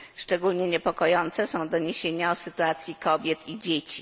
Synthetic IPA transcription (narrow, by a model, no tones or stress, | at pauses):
ʂt͡ʂɛɡulɲɛɲɛpɔkɔjɔnt̪sɛsɔ̃w̃d̪ɔɲeɕeɲasɘt̪uat̪sʲjikɔbʲjɛt̪ʰid͡ʑet͡ɕi